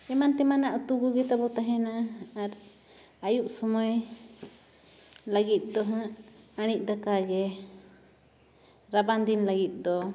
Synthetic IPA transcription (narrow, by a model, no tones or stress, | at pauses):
ɛmant̪ɛmanaʔut̪uɡuɡɛt̪abɔt̪aɦɛnaːɾ | ajuʔsɔmɔj | laɡit̪̚ˀd̪ɔɦãʔ | aɽ̃ic̚ˀd̪akaɡɛ | ɾaband̪inlaɡit̪̚ˀd̪ɔ